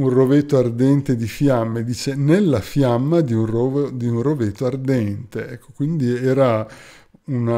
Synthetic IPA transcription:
unrovet̪ːoard̪ɛnt̪ed̪ifjamːed̪iːt͡ʃenelːafjamːad̪iunrovod̪iunrovet̪ːoard̪ɛnt̪eɛkʰːo̥kwind̪iɛːɾa | una

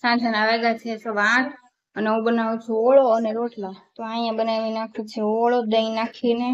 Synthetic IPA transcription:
sãd͡ʒənaʋeɡat͡ʃʰesoʋãɽ | əneɦũbənaʋũt͡ʃʰuoɭoəneɾoʈlat̪oãjãbənaʋinakʰũt͡ʃʰeoɭod̪əĩnakʰine

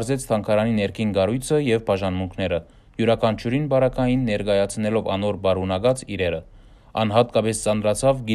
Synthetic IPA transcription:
ɾzɛt͡sʰt̪ʰɑŋkʰɑɾɑninɛɾkʰinɡɑrujt͡sʰəjɛvbɑʒɑnmuŋkʰnɛɾə | juɾɑkʰɑnt͡ʃʰuɾinbɑɾɑkʰɑjinːɛɾkɑjɑt͡sʰnɛlɔvɑ̰nɔɾbɑɾunɑɡɑt͡siɾɛɾə | ɑ̰nɦɑt̪kɑpɛst͡sɑnɾɑt͡sʰɑvɡi

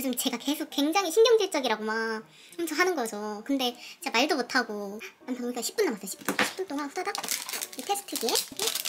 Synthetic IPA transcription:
ɯd͡ʑomt͡ɕe̞ɡake̞sʰokwe̞ŋd͡ʑaŋiɕʰinɡjʌŋd͡ʑiɭt͡ɕ͈ʌɡiɾaɡoma | kɯmt͡ɕʰoŋɦanɯnɡʌd͡ʑʌkɯnde̞t͡ɕeɡamaɭdomotʰaɡoantʰauiɡaɕʰi̥p͈unːamas͈ʌɕʰi̥p͈unɕʰi̥p͈unt͈oŋanɸudadaitʰe̞s͈ʰtʰɯɡiee

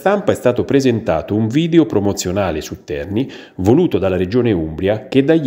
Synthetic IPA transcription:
t̪ampaɛst̪aːt̪opɾezent̪a̰ːt̪ouɱviːd̪eopɾomot̪sːjonaːlesut̪ːɛ̰rni | voluːt̪od̪alːaɾed͡ʒoːneumbɾjak̟ed̪ːaj

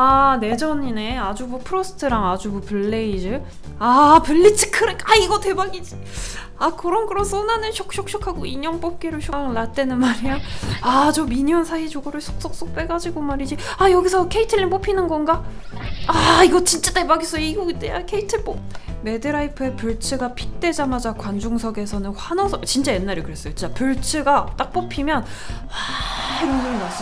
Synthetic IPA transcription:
ane̞d͡ʑʌɲine̞ad͡ʑubupʰɯɾosʰɯ̥tʰɯɾaŋad͡ʑubupɯɭːe̞id͡ʑɯ | apɯɭːit͡ɕʰi̥kʰɯɾek͈aiɡʌte̞baɡid͡ʑi | akʌɾʌnɡɯɾʌnsʰonanɯnɕʰjok̚ɕ͈ok̚ɕ͈okʰaɡoiɲʌŋp͈op̚k͈eɾɯɭɕʰoŋɯɭːlat̚t͈we̞nɯnmaɾijaad͡ʑomiɲʌnsʰait͡ɕoɡoɾɯɭsʰo̥k̚s͈ok̚s͈ok̚p͈e̞ɡad͡ʑiɡomaɾid͡ʑiajʌɡisʰʌkʰeitʰɯɭːimp͈opʰinɯnɡʌnɡa | aiɡʌt͡ɕint͡ɕ͈ate̞baɡis͈ʌjoiɡoit͈eakʰe̞itʰɯɭp͈ome̞dɯɾaipʰɯe̞puɭt͡ɕʰɯɡapʰi̥k̚t͈e̞d͡ʑamad͡ʑakwand͡ʑuŋsʰʌɡe̞sʰʌnɯnɸwanʌsʰʌt͡ɕint͡ɕ͈ajenːaɾikɯɾe̞s͈ʌjot͡ɕit͡ɕ͈apuɭt͡ɕʰɯɡat͈ak̚p͈opʰimjʌn | aeɾonɡoinas͈

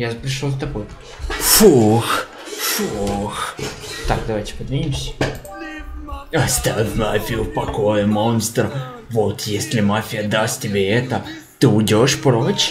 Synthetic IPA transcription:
jaʐpɾʲɪʂlˠozt̪ɐboj | fux | fuxt̪akd̪ɐvajtʲɪ̥pəd̪vʲɪnʲimsʲə̥ | ɐst̪avʲɪfʲmafʲɪjʊfpɐko̞jɪmo̞nst̪r | vo̞t̪jesʲlʲɪmafʲɪjəd̪asttʲɪbʲeɛt̪ə | t̪ɨʊdʲo̞ʂpɾot͡ɕ

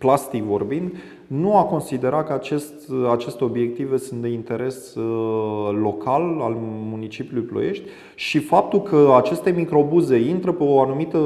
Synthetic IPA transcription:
plast̪ikvo̞rbind̪ | nuako̞nsid̪e̞ɾat̪̚kəat͡ʃe̞st̪at͡ʃe̞st̪e̞o̞bje̞k̚t̪ive̞sunt̪̚d̪e̞int̪e̞ɾe̞s | o̞kʰalalmunit͡ʃipjuluijplo̞̰je̞ʃt̪ʲ | ʃifap̚t̪ulkəat͡ʃe̞st̪e̞mikɾo̞buze̞int̪ɾəpeoanumit̪ə

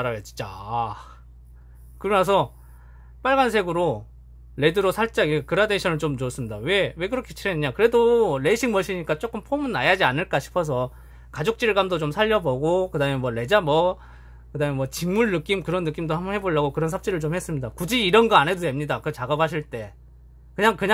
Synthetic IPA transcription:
aɾajot͡ɕi̥nt͡ɕ͈a̰ | kɯɾʌmjʌsʰʌ | p͈aɭɡans̬ʰe̞ɡɯɾo | le̞dɯɾosʰaɭt͡ɕ͈aikɯɾade̞ɕʰʌnɯɭt͡ɕomt͡ɕoʌs͈ɯmɲidawe̞we̞k̬ɯɾʌkʰet͡ɕʰiɾenɯɲakɯɾe̞doɾe̞ɕʰiŋmʌɕʰiɲik͈at͡ɕ͈ok͈ɯmpʰomɯnːajad͡ʑianɯɭk͈aɕʰi̥pʰʌs̬ʰʌ | kad͡ʑok̚t͡ɕ͈iɯɭɡamdot͡ɕomsʰaʎːʌboɡokɯdamjʌnmwʌle̞d͡ʑamwʌ | kɯdamjʌnwʌt͡ɕiŋmuɭnɯk͈imkɯɾʌnːɯk͈imdohambʌnhɦe̞boɭːaɡokɯɾʌnsʰap̚t͡ɕ͈iɾɯɭt͡ɕomhe̞s͈ɯmɲidakud͡ʑiːɾʌnɡʌanɦe̞dode̞mɲidakɯt͡ɕaɡʌp̚haɕ̬ʰiɭt͈e̞ | kɯɲaŋkɯɲa

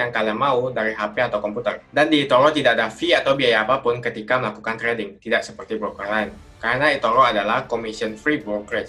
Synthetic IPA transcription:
aŋkaliamãudaɾiɦapeat̪awkɔmput̪ərdandiːt̪oɾɔt̪idaʔdafiat̪awbiajaːpapʊnkət̪ikaməlakukant̪ɾedɪŋt̪idaʔsəpərt̪ibɾokərlajn | kaɾənait̪oɾɔadalahkomisiənfɾibɾokɾəs

